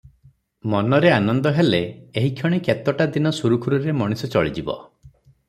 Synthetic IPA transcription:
mɔnɔɾeanɔnd̪ɔɦeleːɦikʰjɔɽ̃iket̪ɔʈad̪inɔsuɾukʰuɾuɾemɔɽ̃isɔt͡ʃɔ̰ɭid͡ʒibɔ̰

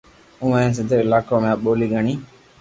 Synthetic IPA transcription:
ʊʋẽẽːs̬əd̪eɪlaːkõːmẽːɓoːliːɡʱəɳiː

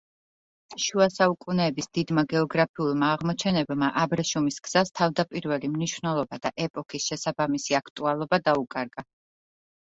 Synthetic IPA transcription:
ʃuasaukʼunɛːbisd̪̥id̪maɡɛɔɡɾapʰiulˠmaːʁmɔt͡ʃʰɛnɛbmaʔabɾɛʃumisɡz̥ast̪ʰavd̪apʼiɾvɛlimniʃvnɛlˠɔbad̪̥aʔɛpʼɔkʰisʃɛsabamisiakʰt̪ʼualˠɔbad̪aukʼaɾɡ̥a

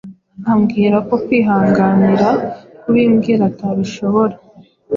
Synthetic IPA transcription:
amɡiːɾako̞kwiːɦaːŋɡaniɾakuβiːmɡiɾataβiʃo̞βo̞ɾa

